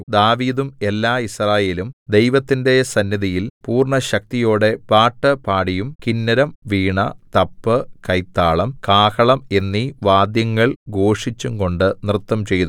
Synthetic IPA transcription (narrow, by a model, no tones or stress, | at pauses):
d̪aːʋiːd̪ume̞lːaːisraːje̞ːlumd̪e̞jʋɐt̪ːinde̞sɐnjɐðijilpuːrɳɐɕɐk̚t̪ijo̞ːɽe̞paːʈːɨpaːɽijumkinːɐɾɐmʋiːɳɐt̪ɐpːɨkɐjt̪ːaːɭɐmkaːhɐɭɐme̞nːiʋaːd̪jɐŋːɐɭɡo̞ːʂit͡ɕːuŋko̞ɳɖɨnirt̪ːɐmt͡ɕe̞jt̪u